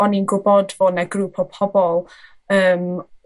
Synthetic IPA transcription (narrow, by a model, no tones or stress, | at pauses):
ɔninɡʊbɔdvoːdnaɡrupʰɔpʰɔbɔlˠ | əːm